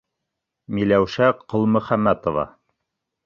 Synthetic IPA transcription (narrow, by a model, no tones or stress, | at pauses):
milæwʃæqŏlˠmɵ̆χæmːæt̪ovɑ̰